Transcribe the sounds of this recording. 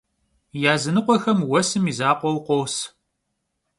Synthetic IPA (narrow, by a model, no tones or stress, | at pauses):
jaːzɨnɨqʷʼɔxɐmwɐsɨmiːzaːqʷʼɔwqʷɔws